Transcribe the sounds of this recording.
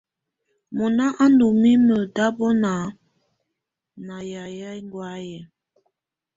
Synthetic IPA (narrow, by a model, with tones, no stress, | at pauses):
mɔ˨na˦ʔa˦ndu˨mi˦mə˨da˦bɔ˦na˨˦ | na˨ja˨jɛ˦ŋɡwa˨˦jɛ˨